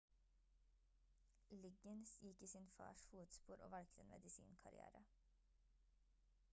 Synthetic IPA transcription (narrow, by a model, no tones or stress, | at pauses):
lɪɡənsjɪkːiːsiːnfɑ̰ːʃfuːt̪spuːɾʔo̰ːʋɑɽkt̪eːnmʔɛd̪ɪsḭːnkʰɑɾɪ̰æ̰ːɾə